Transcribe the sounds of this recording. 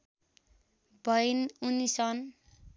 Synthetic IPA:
bʌjnunisʌn

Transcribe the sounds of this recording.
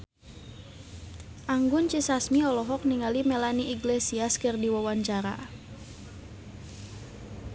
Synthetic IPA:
ʔaŋɡʊnt͡ʃisasmiɔlɔɦɔk̚niŋalimɛlaniʔiɡlesiaskɨrdiwawaɲt͡ʃaɾa̰

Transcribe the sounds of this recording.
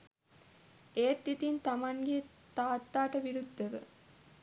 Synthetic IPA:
eːt̪ːit̪int̪ɐmaŋɡe | t̪aːt̪ːaːʈəʋiɾud̪ːəʋə̰

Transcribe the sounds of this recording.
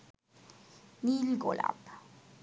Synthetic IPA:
nilɡo̰la̰p

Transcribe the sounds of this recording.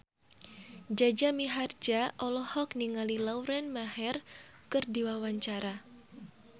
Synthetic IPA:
d͡ʒad͡ʒamiɦard͡ʒaʔɔlɔhɔkniŋalilawɾɛnmahɛr | kɨrdiwawaɲt͡ʃaɾa

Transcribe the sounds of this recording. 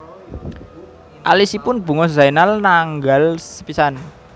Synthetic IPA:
ʔalisipʊnb̥ṳŋɔzajnalnaŋɡalsə̥pisan

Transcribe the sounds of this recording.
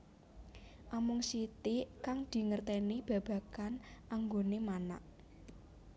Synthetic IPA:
ʔamʊŋsit̪ikaŋd̪̥i̤ŋərt̪enib̥ä̤b̥ä̤kanʔaŋɡonemanaʔ

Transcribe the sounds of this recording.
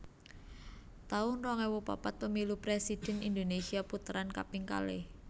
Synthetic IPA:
t̪aʊnrɔŋewupa̰pat̪̚pəmilupɾesid̥ɛ̤nind̪onesiaput̪əɾanka̰piŋka̰lḛ

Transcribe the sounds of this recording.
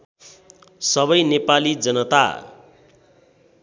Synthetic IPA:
sʌbʌjnepalid͡zʌnʌt̪a̰

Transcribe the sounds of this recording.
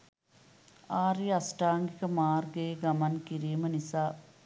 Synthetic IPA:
aːɾiasʈaːŋɡikəmaːrɡəjeɡɐmankiɾiːmənisaː

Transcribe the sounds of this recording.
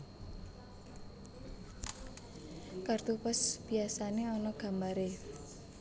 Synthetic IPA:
kart̪upəsb̥iasaneɔnɔɡ̥a̤mbaɾe

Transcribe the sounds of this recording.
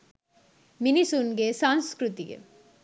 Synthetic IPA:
mɪnisunɡeːsaːnskɾʊt̪ɪɡɐ̰

